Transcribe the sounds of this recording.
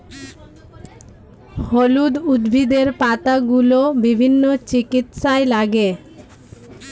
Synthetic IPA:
holud̪ud̪bʱid̪eɾpat̪aɡulobibʱinːot͡ɕikit̪ʃaelaɡe

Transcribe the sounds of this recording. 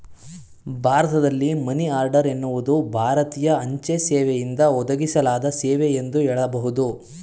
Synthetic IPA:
bʱaːɾɐt̪ɐd̪ɐlːimɐniaːɾɖɐɾe̞nːuʋud̪ubʱaːɾɐt̪iːjɐɐɲt͡ʃesɛːʋejind̪ɐɔd̪ɐɡisɐlaːd̪ɐseːʋeend̪uɛɭɐbɐɦud̪u

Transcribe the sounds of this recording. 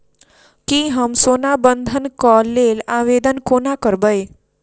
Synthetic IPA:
kiɦəmsoːnabənd̪ʱənkɔlːelaːʋeːd̪ənkoːnakəɾbəj

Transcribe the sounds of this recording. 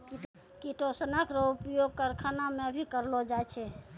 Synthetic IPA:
ki | kiʈosənəkɾɔupjoɡ̚kəɾkʰanamebʱikəɾlod͡ʒaɛt͡ʃʰɛ

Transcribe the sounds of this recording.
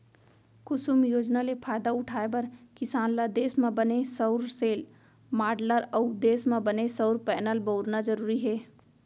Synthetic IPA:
kʊsumjoːd͡ʒnalepʰaːjd̪aʊʈʰaːebəɾkɪsaːnlad̪eːsmẽbənesəʊɾseːl | maːɖləɾəʊd̪eːsmẽbənesəʊɾpɛːnəlbəʊɾnad͡ʒəɾuːɾiɦeː

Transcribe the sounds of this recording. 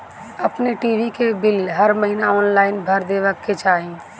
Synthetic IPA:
əpneʈiːʋikebɪlɦəɾməɦinaɔːnlaːɪnbʱəɾd̪eːʋəkːet͡ʃaːɦĩː

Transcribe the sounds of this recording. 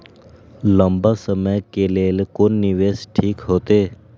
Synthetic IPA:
lə̃mbaːsəməjkeːleːlkonːɪʋeːsʈʰiːkɦoːt̪eː

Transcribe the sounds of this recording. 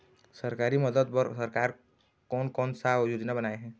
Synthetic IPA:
səɾkaːɾiməd̪əd̪̚pəɾsəɾkaːɾ | kɔːnkɔːnsaʊd͡ʒud͡ʒ̪nabənaːeɦɛ̃ː

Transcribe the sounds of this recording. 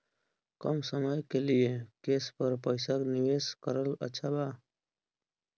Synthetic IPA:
kəmsəməjkelijekeːspəɾpəjsakniweːskəɾələ̰t͡ʃʰabaː

